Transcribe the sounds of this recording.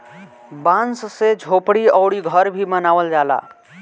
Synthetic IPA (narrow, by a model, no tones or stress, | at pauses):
bãnssed͡ʒʱopɽiəwɽiɡʱəɾbʱimənaʋəld͡ʒala̰